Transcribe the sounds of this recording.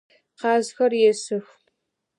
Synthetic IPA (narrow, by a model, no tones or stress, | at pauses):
qɑːzxɐrjɛsɨx